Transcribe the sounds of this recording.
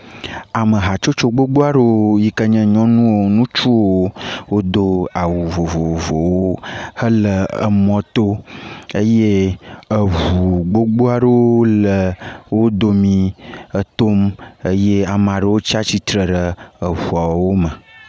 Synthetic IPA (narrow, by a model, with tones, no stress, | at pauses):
a˨mə˨ɦa˨t͡ʃo˦t͡ʃo˦ɡ͡bo˦ɡ͡bo˦a˦ɖə˦wo˦ji˦kə˦ɲɛ̃˦ɲɔ̃˦nũ˦wo˨nũ˦t͡ʃu˦wo˦wo˦d̪o˦a˨wu˨vo˨vo˨vo˨wo˦hə˦lə˨ə̰˨mɔ̃˦t̪o˦ə˦je˦ə˨vu˨ɡ͡bo˦ɡ͡bo˦a˦ɖə˦wo˦lə˨wo˦d̪o˦mĩ˨ə˨t̪o˦mə˦je˦a˨mə˨a˨ɖə˨wo˦t͡ɕi˦a˦t͡ɕi˦t̪ɾə˨ɖə˨ə˨vu˨a˨wo˦mə˨